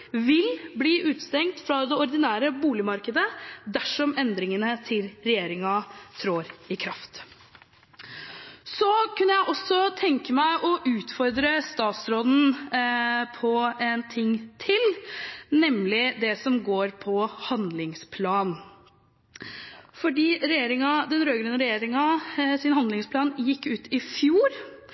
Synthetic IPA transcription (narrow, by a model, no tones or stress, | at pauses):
ʋɪlbliːʔʉːt̪st̪ɛŋkt̪fɾɑd̪ɛɔɾd̪ɪnæːɾəbuːlɪmɑɾkəd̪əd̪æʂɔmɛnd̪ɾɪŋənət̪ʰɪlɾɛjeːɾɪŋɑt̪ʰɾoːɾɪkʰɾɑft̪ | sɔkʉnːəjæɪʔɔsɔt̪ʰɛŋkəmæɪʔɔʔʉːt̪fɔɾd̪ɾəst̪ɑːt̪sɾoːd̪n̩ | pʰɔɛnt̪ʰɪŋːt̪ʰɪlnɛmlɪd̪ɛsɔmɡoːɾpʰɔhɑnd̪lɪŋspʰlɑːn | fɔɖiːɾɛjeːɾɪŋɑd̪ɛnɾøːɡɾʉnəɾɛjeːɾɪŋɑsɪnhɑnd̪lɪŋspʰlɑːnjɪkːʉːt̪ʰɪfjuːɾ